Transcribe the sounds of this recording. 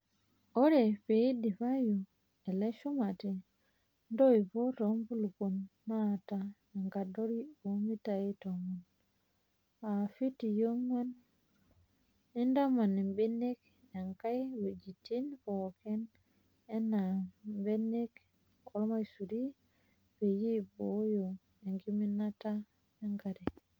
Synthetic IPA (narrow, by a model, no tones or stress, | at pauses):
ʔɔɾɛpeidipaju | ɛlɛʃumatɛ | ndoipɔtombulukunːata | ɛŋɡadoɾiumitajitomun | afitijoŋːan | indamanimbenek | aŋkajwed͡ʒitinpoken | enːambenek | kʰolmajsudi | bejibojo | eŋɡiminata | eŋkadi